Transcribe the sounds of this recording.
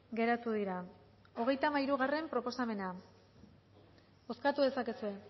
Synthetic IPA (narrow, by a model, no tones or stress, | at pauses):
ɡe̞ɾat̪uðiɾa | o̞ɣ̞e̞jt̪amaiɾuɣare̞mpɾo̞po̞same̞na | o̞skat̪uðe̞sakesue̞